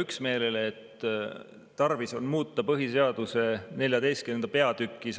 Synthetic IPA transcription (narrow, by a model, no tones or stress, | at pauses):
yksme̞ːle̞lːt̪ | t̪ɑrviso̞nmuːt̪ːˑɑpɤɦise̞ɑd̪̥use̞ne̞lʲjɑd̪e̞jst̪̚kynend̪̥ɑpe̞ɑd̪̥ykːˑis